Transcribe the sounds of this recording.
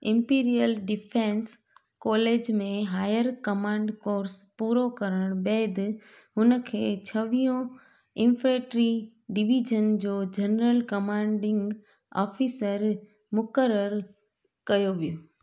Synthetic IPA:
ɪ̃mpiːɾijəlɖɪpʰẽns | kɔːleːd͡ʑmẽɦaːjəɾkɐmãːɳɖkoːɾspuːɾokɐɾəɽ̃beːd̪ | ɦʊnə̆kʰeːt͡ɕʰɐʋijõ | ɪ̃nfʰɾeːʈɾi | ɖɪʋiːd͡ʑənd͡ʑoːd͡ʑɐnɾəlkɐmãːɳɖɪ̃ŋɡ | a̰ːfiːsəɾ | mʊkəɾəɾ | kɐjoʋijoː

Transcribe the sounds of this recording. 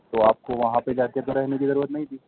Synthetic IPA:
t̪oaːp̚koʋɐɦãped͡ʒaːket̪oɾɛɦnekizɐɾuːɾət̪nɐɦĩd̪iː

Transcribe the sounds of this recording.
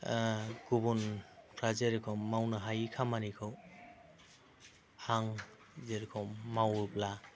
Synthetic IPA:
ɡubunpʰɾazeɾkʰɔmːawnɯɦajkʰamanikʰɯw | haŋ | zeɾkʰɔmːawɾpla

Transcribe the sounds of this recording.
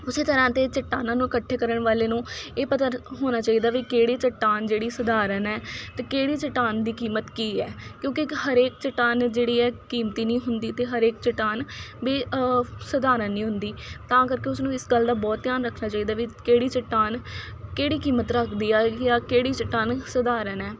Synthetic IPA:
ʊseːt̪əɾãːt̪eːt͡ʃəʈːaːnãːnũːɪkəʈʰːeːkəɾəɳʋaːleːnũːeːpət̪əɾɦoːnaːt͡ʃaːiːd̪aːʋiːkeːɽiːt͡ʃəʈːaːnd͡ʒeːɽiːsəd̪aːɾənɛːt̪eːkeːɽiːt͡ʃəʈːaːnd̪iːkiːmət̪kiːɛːkjõːkɪhəɾeːkt͡ʃəʈːaːnd͡ʒeːɽiːɛːkiːmt̪iːnĩːɦʊnd̪iːt̪eːɦəɾeːk̚t͡ʃəʈaːnʋeːsəd̪aːɾãːnĩːɦʊnd̪iːt̪ãːkəɾkeːʊsnũːɪsɡəld̪aːbɔːt̪̚t̪jaːnɾəkʰnaːt͡ʃaːiːd̪aːʋiːkeːɽiːt͡ʃəʈːaːn | keːɽiːkiːmət̪ɾəkʰd̪iːɛːjaːkeːɽiːt͡ʃəʈːaːnsəd̪aːɾənɛː

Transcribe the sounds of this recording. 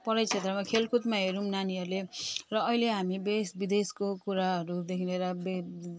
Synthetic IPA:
pʌɾʌjt͡sʰet̪rʌmakʰelkʰut̪maɦeɾũmnaniʌɾulerʌːileɦamibesbid̪eskokuɾaɦʌɾud̪ekʰineɾʌbe

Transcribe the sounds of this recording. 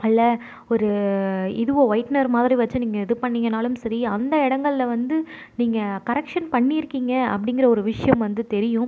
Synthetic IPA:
ɐlːɐ | ɔɾɯɪðɯʋõːʋɐɪʈnɐɾmaːðɪɾiʋɐt͡ʃːɯniːŋɡɐɪðɯpɐɳːiːŋɡɐnaːlɯmsɐɾiɐnd̪ɐɪɽɐŋɡɐɭlɐʋɐnd̪ɯ | niːŋɡɐkɐɾɛkʂɐnpɐɳːɪɪɾɯkːiːŋɡɐɐ̰pːɐɽɪŋɡɪɾɐɔɾɯʋɪʂɐjɐmʋɐnd̪ɯt̪ɛɾɪjʊ̃

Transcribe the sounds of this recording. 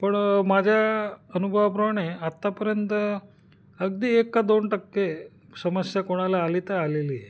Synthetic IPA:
pəɳmad͡ʑʱjaənubʱəʋapɾəmaɽ̃eat̪ːapəɾjənt̪ə | əɡd̪iekːad̪onʈəkːe | səməsjakoɽ̃alaalit̪aalelie

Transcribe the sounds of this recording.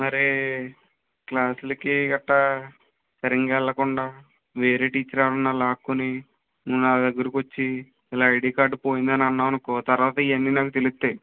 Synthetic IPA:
mɐɾe | klaːsulɐkiɡɐʈːɐ | sɐɾiŋɡɛɭːɐkuɳɖaː | ʋe̞ːɾeːʈiːt͡ʃːɐɾaːlɐnːaːlaːkːuni | munnaːɐd̪ɐɡːɐɾikʋot͡ʃːiː | laːɐjɖiːkaːɾɖupo̞ːjind̪ɐnɐnːaːɐnukut̪ɐɾʋaːt̪ɐiʋɐnːiːnaːkut̪elist̪e̞ː

